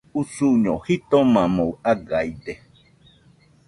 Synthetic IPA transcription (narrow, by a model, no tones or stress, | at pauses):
usuɲohit̪omãmowaɡajd̪e